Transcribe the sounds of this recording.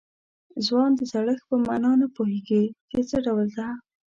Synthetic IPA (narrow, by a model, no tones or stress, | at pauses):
zwɑnd̪əzaɽəxpəmanɑnapoheɡik̪et͡səɖawəld̪a